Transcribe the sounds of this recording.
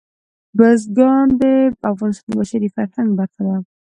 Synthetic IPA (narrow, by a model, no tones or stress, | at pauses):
bazɡɑnd̪əafɣɑnɪst̪ɑnd̪əbaʃaɾifaɾhaŋɡbaɾxala